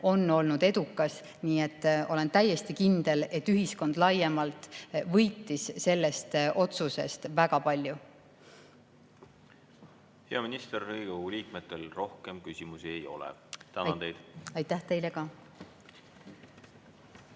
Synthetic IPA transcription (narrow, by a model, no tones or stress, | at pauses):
o̞nːo̞lnud̪e̞d̪̥ukːˑɑs | niːe̞t̪ˑːo̞le̞nt̪æjːe̞st̪ikind̪e̞le̞t̪ːyɦisko̞nd̪̥lɑjemɑlt̪vɤjt̪ːˑisse̞lːe̞st̪ʔo̞t̪suse̞̰st̪væɡ̥ɑpɑlʲju | heɑminist̪erhɯjɡ̥owɡuliːkmet̪ːˑelro̞hkemkysʲimusiejo̞̰lɛ̰t̪ænɑnt̪e̞jd̪̥ɑjt̪ːæht̪e̞jle̞kɑ